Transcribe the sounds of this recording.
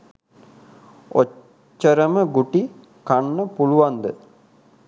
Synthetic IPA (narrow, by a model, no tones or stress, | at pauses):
o | t͡ʃːəɾəməɡuʈi | kanːəpuluʋand̪ə